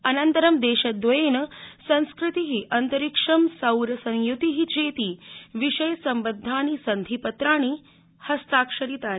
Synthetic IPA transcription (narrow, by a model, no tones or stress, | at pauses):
ɐnɐnt̪ɐɾɐmd̪eːʃɐd̪ʋɐeːnɐsɐ̃ñskɾit̪iɦiʔɐnt̪ɐɾikʂɐmsɐwɾɐsɐ̃jjut̪iɦit͡ʃeːt̪iːʋiʂɐjsɐmbəd̪ʱːaːñisɐnd̪ʱipɐt̪ɾaːɽ̃i | hɐst̪aːkʂɐɾit̪aː